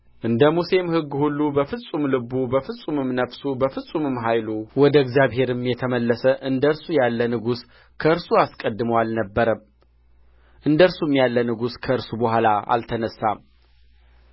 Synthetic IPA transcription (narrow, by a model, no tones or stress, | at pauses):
ʔɨnd̪əmuse̞mhɨɡːhulːubəfɨsʼumlɨbːubəfɨsʼumɨmnəfsubəfɨsʼumɨmɦajluwɔd̪əɛɡzjaβhe̞ɾɨmjɛt̪ʰəməlːəsəʔɨnd̪əɾsujalːənɨɡus | kʰəɨɾsuaskʼəd̪ːɨməwalnəbːəɾəm | ʔɨnd̪əɨɾsumjalːənɨɡuskʰəɨɾsubəhʷalaa̰lt̪ʰənəsːam